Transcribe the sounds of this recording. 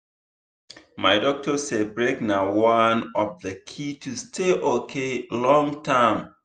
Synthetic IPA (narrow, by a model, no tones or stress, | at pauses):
maɪdɔk̚tʰɔsebɹeknawãnɔfðəkʰitʰustʰeʔokʰelɔ̃ŋtʰãm